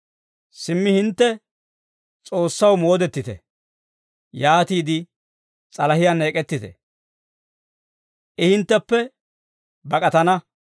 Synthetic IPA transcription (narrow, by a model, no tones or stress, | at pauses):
sɪmːɪhɪnt̪ːɛ | t͡sʼo̞ːsːɐwmo̞ːd̪ɛt̪ːɪt̪ɛ̰ | jaːt̪iːd̪ɪ | t͡sʼɐlɐhɪjane̞ːkʼɛt̪ːɪt̪ɛ̰ | ʔɛhɪnt̪ːɛpːɛ | bɐkʼɐt̪ɐnɐ